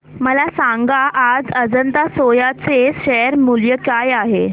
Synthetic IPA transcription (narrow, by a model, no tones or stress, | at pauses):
məlasaŋɡaʔːd͡zəd͡zənt̪asojat͡seɕɛɾmuljəkajaɦe